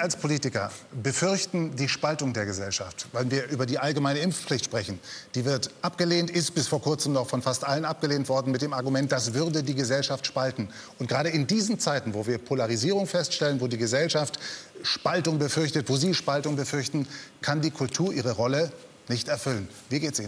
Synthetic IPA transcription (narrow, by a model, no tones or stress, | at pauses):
ɐalspʰoliːtɪkɐ̰bəfʏɐçtn̩diːʃpaltʊŋdeːɐɡəzɛlʃaftvaɪlnviːɐʔyːbɐdiːʔalɡəmaɪnəɪmfflɪçtʃpʁ̥ɛçn̩d̥iːvɪɐtʔapɡ̥əleːntʔɪst̚b̥ɪsfoːɐkʰʊɐt͡səmnɔχfɔnfastʔalənʔap̚ɡ̥əleːntv̥ɔɐdn̩mɪt̚d̥eːmaɐɡumɛnt̚d̥asv̥ʏɐdədiːɡəzɛlʃaftʃpaltn̩ | ʔʊntɡ̥ʁaːɾəɪndiːznt͡saɪtn̩voːviːɐpʰolaʁiziːʁ̞ʊŋfɛstʃtɛlənvoːdiːɡəzɛlʃaftʃpaltʊŋbəfʏɐçtətv̥oːziːʃpaltʊŋbəfʏɐçtn̩kʰandiːkʰʊltʰuːɐʔiːʁ̞əʁɔlə | nɪçtɛɐfʏlənviːɐɡeːtsiː